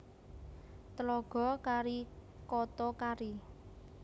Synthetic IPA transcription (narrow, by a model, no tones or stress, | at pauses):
t̪əlɔɡ̥ɔ̤kaɾi | kɔt̪ɔkaɾi